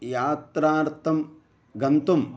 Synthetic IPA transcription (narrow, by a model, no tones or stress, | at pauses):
jaːt̪ɾaːɾt̪ʰɐm | ɡɐnt̪um